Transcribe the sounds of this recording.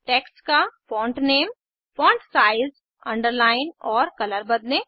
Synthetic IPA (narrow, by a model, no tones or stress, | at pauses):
ʈeːkskafɔ̃ːɳʈneːm | fɔ̃ːɳʈsaːɪz | ɐ̃ɳɖəɾlaːɪnɔːɾkɐləɾbɐd̪ne